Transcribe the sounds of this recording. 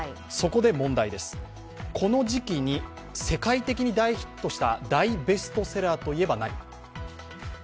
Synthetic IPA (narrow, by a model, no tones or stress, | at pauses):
so̞ko̞d̪e̞mõ̞nd̪aid̪e̞sɨ̥ | kʰo̞no̞ʑikʲiɲ̟i | se̞kait̪e̞kʲiɲ̟id̪aiçi̥t̪ːo̞ɕi̥t̪a̰d̪aibe̞sɨ̥t̪o̞se̞ɾaːt̪o̞ie̞banaḭ